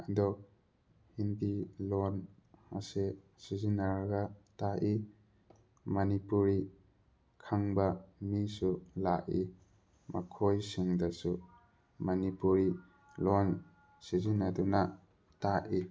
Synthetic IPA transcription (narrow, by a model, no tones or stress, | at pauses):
ad̪ɔ | hinbilɔna̰se | sizinːaɾaɡataʔi | mɐnipuɾi | kʰaŋbɐmisulaʔi | makʰojsiŋdɐsu | mɐnipuɾi | lɔn | sizinːaduna | taʔi